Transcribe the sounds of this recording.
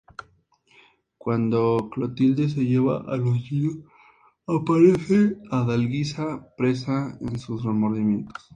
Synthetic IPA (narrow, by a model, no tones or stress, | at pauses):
kwand̪oklot̪ild̪es̬eʝeβa̰ʔaloʝiɾo | apaɾeθeaðalɡisapɾesaḛnsusremoɾðimjent̪o̥s